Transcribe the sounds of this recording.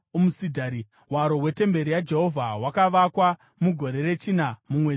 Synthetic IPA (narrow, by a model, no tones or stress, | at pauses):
omusidʱaːɾi | waɾo̞we̞te̞mbe̞ɾijad͡ʒe̞ɦo̞vʱawakaʋakwa | muɡʱo̞ɾe̞re̞t͡ʃinamumwed͡z